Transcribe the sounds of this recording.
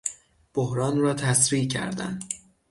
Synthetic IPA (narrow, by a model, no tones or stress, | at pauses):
b̥ohɾɒːnrɒːt̪ʰæsɾiːcʰæ̰ɾd̪æ̰nd̪